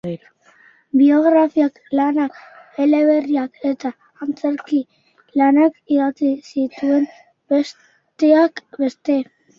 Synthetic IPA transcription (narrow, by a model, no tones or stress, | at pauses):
bio̞ɣɾafiak | lanakele̞βe̞riake̞t̪aː | nt͡seɾki | lanakiɣat͡sisit̪ue̞n | bes | t̪e̞akbe̞st̪e̞